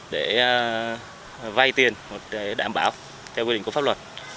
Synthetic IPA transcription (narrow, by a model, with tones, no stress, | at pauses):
ɗe˧˩ | va˧jt̪i˨˩ənmo˨˩t̚ka˨˦ɗaː˧˩mɓaː˧˩˦w | t̪ʰɛ˧wki˧ï˧˨ŋkfa˦˥lwə˨˩t̚